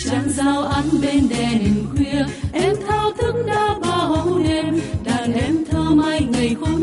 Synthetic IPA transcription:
lə˨˧˩nzaː˧wʔa˧˦ŋ̟ɓe˧nɗɛ˨˩ni˨˩ŋkwi˧əʔɛ˧mt̪ʰaː˧wt̪ɨ˧˥kŋ̚ɗaː˧ɓaː˧˩ɦə˧˦wɗe˧mɗaː˨˩ŋʔɛ˧mt̪ʰəː˧ma˧jŋa˨˩jxo˧

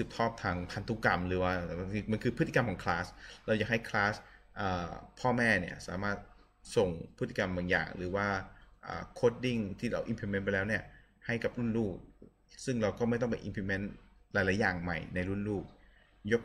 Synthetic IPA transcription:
sɯ˨˩p̚t̪ʰɔː˥˩p̚t̪ʰaː˧ŋpʰa˧nt̪ʰu˦˥ka˧mɾɯː˩˦waː˥˩˧ma˧nkʰɯː˧pʰɯ˦˥i˧ka˧mkʰɔː˨˩˦ŋkʰlaː˦˥sɾa˧wja˨˩ha˥˩jkʰlaː˦˥sʔəː˨˩pʰɔː˥˩mɛː˥˩ni˥˩ɐsa̰ː˩˦maː˥˩t̪̚ | so˨˩ŋpʰɯ˦˥˩i˧ka˧mbaː˨˩ŋja̰ː˨˩ŋɾɯ̰ː˩˦waː˥˩ʔə̰ː˨˩kʰoː˦˥t̪̚di˥˩ŋt̪ʰiː˥˩ɾa˧wʔi˧mpʰi˧me˦˥npa˧jlɛː˦˥wni˥˩ɐha˥˩jka˨˩p̚ɾu˥˩nluː˥˩k̚ | sɯ˥˩ŋɾa˧wkɔː˥˩m˥˩jt̪ɔ˥˩pḛ˧nʔḭ˧mpʰi˧me˦˥nlaː˨˦jlaː˨˦jaː˨˩ŋma˨˩jna˧jɾu˥˩nluː˥˩k̚ | jo˦˥k̚

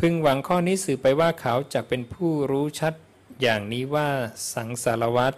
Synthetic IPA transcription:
pʰɯ˧ŋwa˩˦ŋkʰɔː˥˩niː˦˥sɯː˨˩pa˧jwaː˥˩kʰa˩˦wt͡ɕaː˨˩k̚pe˧npʰuː˥˩ɾuː˦˥t͡ɕʰa˦˥t̪̚ | jaː˨˩ŋniː˦˥waː˥˩sa˩˦ŋsa˩˦la˧wa˦˥t̪̚

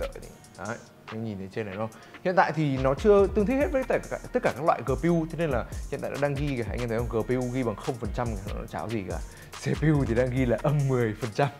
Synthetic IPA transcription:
ə̰ː˧˨jti˨˦ | a˨˦˧ | ɲi˨˩nt̪e˨˦t͡ɕe˧na˨˩ɗo˧˦ | hḭ˧˨ənt̪a̰ː˧˨jt̪ʰi˨˩nɔ˨˦t͡ɕɨ˧ət̪ɨ˧əŋt̪ʰk̚ht̚vəː˨˦jt̪a̰ː˧˨˩t̪ə˦˥t̚kaː˧˩kaː˦˥k̚lwa̰ː˧˨jkəː˧˩pi˧wt̪ʰe˨˦ne˧nlaː˨˩hḭ˨t̪a̰ː˧˨ʔa̰ː˧ɗaː˧ŋɣi˧a˨˩ha̰˧jɲa˧˩t̪ə˨˦t͡ɕɔ˧ŋkəː˨˧˩pi˧wɣi˧ɓaː˨˩ŋxə˧wŋ͡mfə˨˩nt͡ɕa˧mː˨˩˨t͡ɕaː˨˦wzi˨˩ka̰ː˧˩ | se˧˩pi˧wt̪ʰi˨˩ɗaː˧ŋɣi˧laː˨˩ʔə˧mːɨ˨˩əjfə˨˩nt͡ɕa˧m

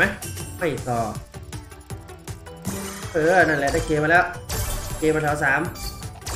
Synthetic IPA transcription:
ma˦˥jma˥˩jsɔː˨˩ | ʔɤː˧˩˧na˥˩nlɛ˧˩t̪aː˧˩kʰeː˧ma˧lɛː˦˥˩wkʰeː˧ma˧˩t̪ʰaː˨˩˦wsaː˨˩˦m

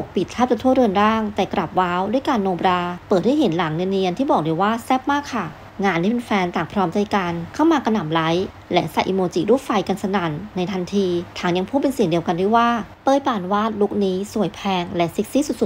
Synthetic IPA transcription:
o˨˩k̚pi˨˩t̪̚kʰaː˥˩p̚t͡ɕa˧t̪ʰu˥˩əɾɯ˧ənɾaː˥˩ŋt̪ɛ˨˩kɾa˨˩p̚waː˦˥wdu˥˩əjkaː˧nːoː˧bɾaː˧pɤː˨˩t̪̚ha˥jɦe˩˦nlaː˩˦ŋnɯ˧nɾi˧ənt̪iː˥˩bɔː˨˩k̚du˧waː˥˩sɛ˦˥˩p̚maː˥˩kʰːa˧˥˩ | ŋaː˧ntʰːiː˥˩pe˧nfɛː˧nt̪aː˨˩ŋpʰɾɔː˦˥mt͡ɕa˧˩jka˧nkʰa˥˩wmaː˧ka˧na˨˩mla˦˥j | lɛ˦˥sa˨˩jʔi˧moː˧t͡ɕiː˨˩˦duː˥˩fa˧jka˧nsa˧na˨˩nːa˧jt̪ʰa˧nt̪ʰiː˧t̪ʰaː˩˦ŋja˧ŋpʰuː˥˩pe˧nsi˨˩əŋdi˧əwka˧ndu˥˩waː˥˩pɤː˥˩jpaː˧˩nwaː˥˩t̪̚lu˦˥k̚niː˦˥su˨˩əjpʰɛː˧ŋlɛ˦˥ʔsi˦˥k̚si˦˥su˨˩t̪̚su˨˩t̪̚

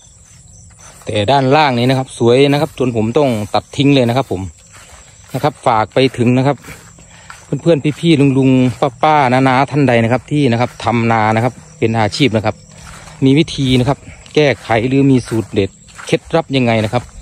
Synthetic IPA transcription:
t̪ɛː˨˩daː˧˥˩nlaː˧˩ŋniː˧˩na˧kʰa˦˧˥p̚su˨˩˦əjna˧˥kʰa˧˥p̚t͡ɕo˧ənpʰo˩˨˦mt̪ɔ˧˥˩ŋt̪a˨˩t̪ʰːi˧˦ŋlɤː˧jna˧˥kʰa˧pʰːo˩˦m | na˧kʰa˧˥p̚faː˨˩k̚pa˧jt̪ʰɯ˨˦ŋna˧˥kʰa˧˥p̚ | pʰɯ˧˥˨npʰɯː˧˥˨ənpʰiː˧pʰiː˧˩lu˧ŋlu˧ŋpa˧˩pːaː˧˥˩naː˧naː˧˥t̪ʰa˧˥˩nda˧jna˧kʰa˧p̚t̪ʰiː˧˥˩na˧kʰa˧˥p̚t̪ʰa˧mnaː˧na˧˥kʰa˧p̚ːe˨nʔaː˨˧t͡ɕʰiː˥˩p̚na˧kʰa˧p̚ | miː˧ʋiː˦˥˩t̪ʰiː˧na˧kʰa˦˧˥p̚kɛː˧˩kʰa˨˩˦jlɯː˨˦miː˧suː˨˩t̪̚de˨˩t̪̚ | kʰe˦˧˥t̪̚ɾa˦˥p̚ɲa˧ŋːa˧jna˧˥kʰa˧˥p̚

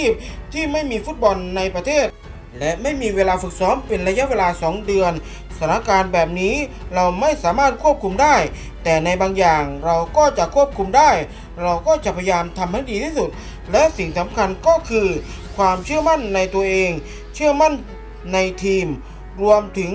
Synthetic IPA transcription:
t͡ɕʰiː˥˩p̚t̪ʰiː˥˩ma˥˩jmiː˧fu˦˥t̪̚bɔ˧nːa˧jpɾa˧t̪ʰeː˥˩t̪̚ | lɛ˦˥ʔma˥˩jmiː˧weː˧laː˧fɯ˨˩k̚sɔː˦˥mpe˧nla˧ja˦˥ʔweː˧laː˧sɔː˩˦ŋdɯ˧ən | sʰa˧˥na˧˥ʔkaː˧nbɛː˨˩p̚niː˦˥ | ɾa˧wma˥˩jsaː˩˦maː˥˩t̪̚kʰu˥˩p̚kʰu˧mdaː˥˩j | t̪ɛː˨˩na˧jbaː˧ŋjaː˨˩ŋɾa˧wkɔː˥˩t͡ɕa˨˩ʔkʰu˥˩əp̚kʰu˧mdaː˥˩j | ɾa˧wkɔː˥˩t͡ɕa˨˩ʔpʰa˧jaː˧mt̪ʰa˧mha˥˩jdiː˧t̪ʰiː˥˩su˨˩t̪̚ | lɛ˦˥ʔsi˨˩ŋsa˩˦mkʰa˧nkɔː˥˩kʰɯː˧ | kʰwaː˧mt͡ɕʰɯ˥˩əma˥˩˨nːa˧jt̪u˧əʔeː˧ŋ | t͡ɕʰɯ˥˩əma˥˩˨nː | a˧jt̪ʰiː˧m | ɾu˧əmt̪ʰɯ˩˦ŋ

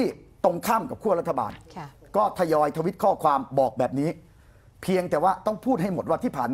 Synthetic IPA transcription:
i˥˩t̪o˧ŋkʰaː˥˩mka˨˩p̚kʰu˥˩əɾa˦˥t̪ʰːa˧ba̰ː˧n | kɔː˥˩t̪ʰa˧jɔː˧jt̪ʰa˧wi˦˥t̪̚kʰɔː˥˩kʰwaː˧mbɔː˨˩k̚bɛː˨˩p̚niː˦˥ | pʰi˧əŋt̪ɛː˨˩waː˥˩t̪ɔ˥˩ŋpʰuː˥˩t̪̚ha˥˩jmo˨˩t̪̚waː˥˩iː˥˩pʰaː˨˩n

